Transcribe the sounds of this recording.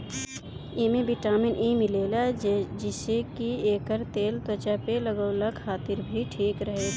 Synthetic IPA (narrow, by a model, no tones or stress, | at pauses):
emẽbɪʈaːmɪnʔimɪleːlad͡ʒɪsekieːkəɾt̪eːlt̪wət͡ʃapeləɡəwləkʰaːt̪ɪɾbʱiʈʰiːkɾəɦe